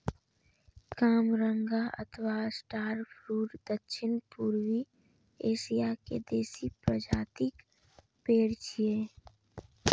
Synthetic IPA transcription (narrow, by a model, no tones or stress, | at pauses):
kaːmɾə̃ŋɡaə̰t̪ʰwasʈaːɾpʰɾuːɾd̪əkʃʰɪnpuːɾwi | eːʃijakḛd̪eːsipɾəd͡ʒaːt̪ɪk | peːɽt͡ʃʰijeː